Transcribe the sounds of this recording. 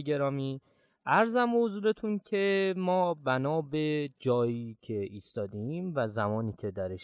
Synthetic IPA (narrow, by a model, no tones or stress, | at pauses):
ɡe̞ɾɒːmiː | æɾzæmbehozuːɾe̞t̪ʰuncʰemɒːbænɒːbe̞d͡ʒɒːjiːcʰe̞iːst̪ɒːd̪eiːmvæzæmɒːniːcʰe̞d̪æɾeʃ